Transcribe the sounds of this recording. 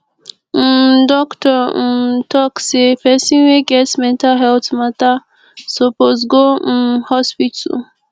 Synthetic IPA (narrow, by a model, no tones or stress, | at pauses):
dɔktɔtɔksepɛsĩnweɡɛsmɛ̃ntaɦɛlt̪mat̪a | sɔpozɡohɔspit